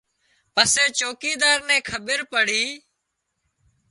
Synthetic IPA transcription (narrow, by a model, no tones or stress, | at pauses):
pəseːt͡ʃoːkiːd̪aːɾnɛ̃ːkʰəɓəɾpəɽ̤iː